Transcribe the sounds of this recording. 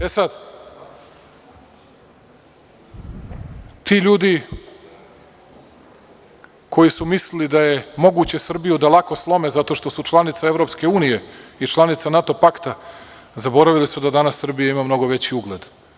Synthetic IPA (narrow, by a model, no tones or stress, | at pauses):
esad̪ | t̪iːʎuːd̪i | kʰo̞jisumislilid̪aje̞mo̞ɡut͡ɕe̞sr̩bijud̪alˠako̞slˠo̞mezat̪o̞ʃt̪o̞sut͡ʃlˠanit̪saevɾo̞pske̞uːnijeit͡ʃlˠanit̪sanat̪o̞pakt̪a | zabo̞ɾaʋilisud̪ad̪anasːr̩bijaimamno̞ɡoʋe̞t͡ɕiuɡled̪